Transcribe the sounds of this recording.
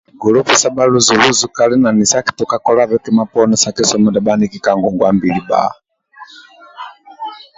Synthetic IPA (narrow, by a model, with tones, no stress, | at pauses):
ɡɔ˨lɔ˦fi˨sa˦ba˦lu˦zu˨lu˦zu˨ka˨lɛ˦na˨ni˨sa˦ki̥˨tɔ˨ka˦kɔ˦la˦βɛ˦kɛ˦ma˦pɔ˦nɛ˦sa˨ki˦sɔ˨˦mɔ˨da˨ba˦ni˦ki˦ka˨ŋɡɔ˨ŋɡwa˦mbi˨li˨ba̰˨